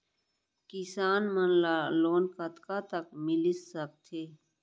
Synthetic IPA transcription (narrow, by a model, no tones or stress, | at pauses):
kɪsaːnmənlaloːnkɐt̪kat̪ɐkmɪlɪsək̚t̪ʰeː